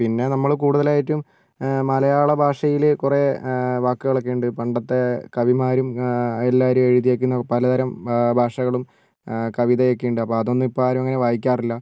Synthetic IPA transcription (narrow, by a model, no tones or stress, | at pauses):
pinːe̞nɐmːɐɭkuːɽuðɐlaːjitːum | mɐlɐjaːɭɐbʱaːʂɐjilkure̞ʋaːkːɨɣɐɭɐk̬ːeːɳɖɨpɐɳɖɐt̪ːe̞kɐʋimaːɾumelːaːɐɾumeɻiðijeːkːunːɐpɐlɐd̪ʱɐɾɐmbʱaːʂɐɣɐɭum | kɐʋiðɐjekːeɳɖɨɐpːoːɐðo̞nːipːoɭaːɾumɐŋːɐne̞ʋaːjikʲːaːrilːɐ